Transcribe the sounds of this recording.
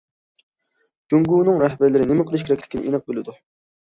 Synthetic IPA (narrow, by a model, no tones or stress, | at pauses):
d͡ʒoŋɡuːnɨŋɾɛhbæɾlɪɾɪnɪmɪqʰəlˠɨʃ̬kʲeɾɛkʲlɪ̥kʲʰinɪ̰ʔenɨq̚belɪd̪u